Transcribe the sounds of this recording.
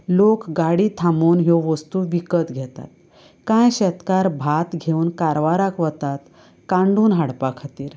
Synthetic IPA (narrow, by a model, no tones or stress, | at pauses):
lokɡaɽit̪ʰamuːnɦoʋəst̪uːʋikət̪ɡʱɛt̪a̰t̪̚ | kãjɕɛt̪kaɾbʱat̪ɡʱeuːnkaɾʋaɾakʋət̪at̪ | kãɳɖuːnɦaɽpakʰat̪iːɾ